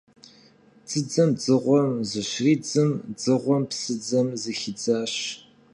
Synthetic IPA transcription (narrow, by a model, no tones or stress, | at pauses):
d͡zɨd͡zɐmd͡zɨʁʷɔmzɨɕriːd͡zɨmd͡zɨʁʷɔmpsɨd͡zɐmzɨxɪd͡zaːɕ